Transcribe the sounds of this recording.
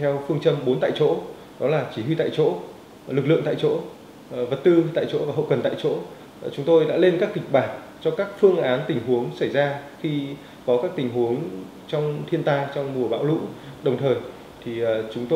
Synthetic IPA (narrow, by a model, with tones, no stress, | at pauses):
t̪ʰɛ˧wfɨ˧əŋt͡ɕə˧mɓo˨˦nt̪a̰ː˧˨jt͡ɕo̰˧˥ | ɗɔ˨˦laː˨˩t͡ɕi˧˩hwi˧t̪a̰ː˧˨jt͡ɕo̰˧˥ | lɨ˨˩k̚lɨ̰˧˨əŋt̪a̰ː˧˨jt͡ɕo̰˧˥ | və˨˩t̚t̪ɨ˧t̪a̰ː˧˨jt͡ɕo̰˧˥vaː˨˩ɦə̰˧˨wkə˨˩nt̪a̰ː˧˨jt͡ɕo̰˧˥ | t͡ɕʊ˨˦ŋ͡mt̪o˧jɗa̰ː˧˥le˧nkaː˦˥k̚ki˨˩k̟̚ɓaː˨˩n | t͡ɕɔ˧kaː˦˥k̚fɨ˧əŋʔaː˨˦nt̪ï˨˩ŋ̟ɦu˨˦əŋsə˧˩jzaː˧xi˧ | kɔ˨˦kaː˦˥k̚t̪ï˨˩ŋ̟ɦu˨˦əŋ | t͡ɕɔ˧wŋ͡mt̪ʰi˧ənt̪aː˧t͡ɕɔ˧wŋ͡mmu˨˩əɓa̰ː˧˥wlṵ˧˥ɗə˨˩wŋ͡mt̪ʰəː˨˩j | t̪ʰi˨˩˨t͡ɕʊ˨˦ŋ͡mt̪o˧